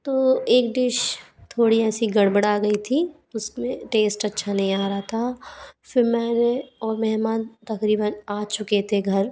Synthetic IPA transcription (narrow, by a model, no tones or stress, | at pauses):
t̪oːeːk̚ɖ̪ɪʃ | t̪ʰoːɽiɛːsiɡɐɽbəɽaːɡɐit̪ʰi | ʊsmẽʈeːsʈɐtːʃʰanɐɦĩaːɾaɦat̪ʰafɪɾmɛ̃ːneɔːɾmɛɦmaːnt̪ɐkɾiːbənaːt͡ʃʊket̪ʰeɡʱɐɾ